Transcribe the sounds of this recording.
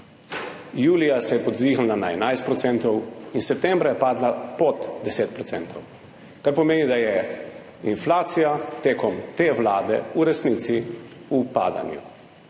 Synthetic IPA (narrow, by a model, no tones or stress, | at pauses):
juːlijasɛjɛpɔd̪zixlnanaɛnajst̪pɾɔt̪sɛnt̪ɔwinsɛp̚t̪ɛmbɾajɛpaːd̪lapɔd̪d̪ɛseːt̪pɾɔtsɛnt̪ɔw | kaɾpɔmeːnid̪ajɛ | inflaːt̪sijat̪eːkɔmt̪eːʋlaːd̪ɛ̰uɾɛsniːt̪siupa̰ːd̪a̰njṵ